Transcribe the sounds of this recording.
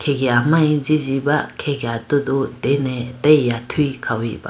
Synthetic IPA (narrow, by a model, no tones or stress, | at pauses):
kʰeɡiamajzizibakʰeɡiatɔdudenetajːatʰujkʰawḭba̰